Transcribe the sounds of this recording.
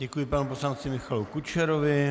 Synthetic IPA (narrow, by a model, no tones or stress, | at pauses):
ɟɛkujɪpanuposlant͡sɪmɪxalukut͡ʃɛɾovɪ